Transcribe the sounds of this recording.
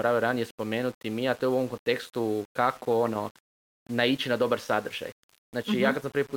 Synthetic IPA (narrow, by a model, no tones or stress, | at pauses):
ɾaʋioɾanijespo̞meːnut̪imiat̪o̞euo̞ʋomkont̪e̞kst̪ukakʰo̞ono̞ | nait͡ʃinad̪o̞baɾsad̪r̩ʒa̰j | znaːt͡ʃijaːkat̪s̬ampɾ̩ʋipuː